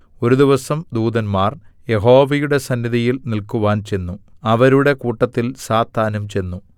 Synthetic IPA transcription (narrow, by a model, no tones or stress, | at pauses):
o̞ɾud̪iʋɐsɐmd̪uːd̪ɐnmaːrje̞ɦo̞ːʋɐjuɽe̞sɐnːiðʱijilnilkuʋaːnt͡ɕe̞nːuɐʋɐɾuɽe̞kuːʈːɐt̪ːilsaːt̪ʰːaːnɐmt͡ɕe̞nːu